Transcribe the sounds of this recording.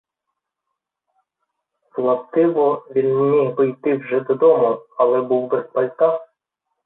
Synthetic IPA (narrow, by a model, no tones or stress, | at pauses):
slˠɐpt̪ɪʋɔʋʲinmʲijpɔjt̪ɪwʒɛd̪ɔd̪ɔmʊɐlˠɛbuwbespɐlʲt̪ɑ